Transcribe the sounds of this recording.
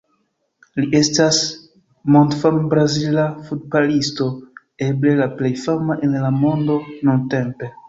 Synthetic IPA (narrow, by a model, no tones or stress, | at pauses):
liʔe̞stas | montfambɾazilafut̚balisto̞ | e̞ble̞laple̞jfamaʔenlamo̞ndo̞nunte̞mpe̞